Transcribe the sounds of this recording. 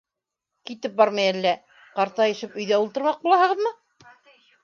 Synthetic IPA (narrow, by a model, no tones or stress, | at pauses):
kit̪ɘp̚bɑɾmɑjælːæ | qɑɾt̪ɑjɘ̆ʃɘpɵ̆jðæulˠt̪ɤ̆ɾmɑq̚bulˠɑhɤ̆ʁɤðmɤ